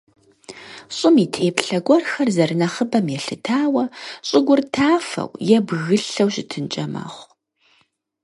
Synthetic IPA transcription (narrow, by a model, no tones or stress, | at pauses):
ɕʼɪmiːtʰeːpɬɐɡʷɔrxɐrzɐrɨnɐχəbɐmjɛɬɨtʰaːwɐɕʼɪɡʷʊrtʰaːfɐ̰wjɛbɣɨɬɐwɕʼɪtʰɨnt͡ʃʼɐma̰ːχʷ